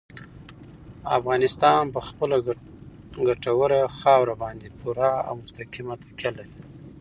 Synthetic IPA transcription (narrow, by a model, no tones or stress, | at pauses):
a̰fɣɑnɪst̪ɑnpəxpəla | ɡaʈawəɾaxɑwɾabɑnd̪epuɾɑa̰wmʊst̪akimat̪ḁkʲalaɾi